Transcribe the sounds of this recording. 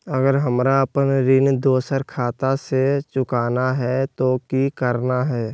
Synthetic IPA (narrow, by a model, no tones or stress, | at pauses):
əɡəɾɦəmɾaəpənɾɪnd̪oːsəɾkʰaːt̪aset͡ʃʊkaːnaɦɛt̪okikəɾnaɦɛː